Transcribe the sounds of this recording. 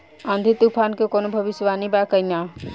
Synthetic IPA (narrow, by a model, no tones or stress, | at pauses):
ãnd̪ʱit̪upʰankekoːnobʱəʋisʋanibakəjna